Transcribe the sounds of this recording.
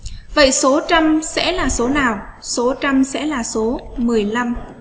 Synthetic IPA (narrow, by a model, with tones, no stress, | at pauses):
və̰˧˨jso˨˦t͡ɕa˧msɛ̰˧˥laː˨˩so˨˦naː˨˩wso˨˦t͡ɕa˧msɛ̰˧˥laː˨˩so˨˦mɨ˨˩əjla˧m